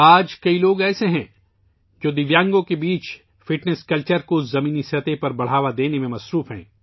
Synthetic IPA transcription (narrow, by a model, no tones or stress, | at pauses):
aːd͡ʒkɐiloːɡɛːseɦɛ̃ː | d͡ʒoːd̪ɪʋjãːŋɡõkebiːt͡ʃ | fɪʈneskɐlt͡ʃəɾkozɐmĩːnisɐt̪epɐɾbɐɽ̤aːʋad̪eːnemẽmɐsɾuːfɦɛ̰̃ː